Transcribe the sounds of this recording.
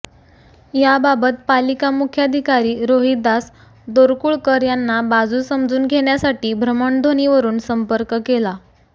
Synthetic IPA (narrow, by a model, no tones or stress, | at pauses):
jababət̪̚palikamukʰjad̪ʱikaɾiːɾoɦid̪as | d̪oɾkuːɭkəɾjanːabad͡zuːsəmd͡zuːnɡʱeɳjasaʈiːbʱɾəməɳd̪ʱoniʋəɾuːnsəmpəɾkkela